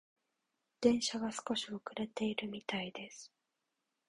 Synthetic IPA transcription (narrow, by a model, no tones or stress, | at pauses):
d̪̥ẽ̞ɰ̃ɕaɡasɨ̥ko̞ɕiokɯ̟ɾe̞t̪e̞iɾɯ̟mʲit̪aid̪e̞sɨ̥